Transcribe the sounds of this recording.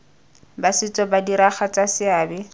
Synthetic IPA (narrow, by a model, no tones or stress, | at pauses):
basɪt͡sʼɔbadiɾaχat͡sʼasɪaːbɛ